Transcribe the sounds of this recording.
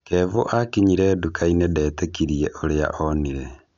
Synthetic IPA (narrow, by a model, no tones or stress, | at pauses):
keβoʔakiɲiɾɛdukʰainedɛːtekiɾieʔoɾea̰ʔoniɾe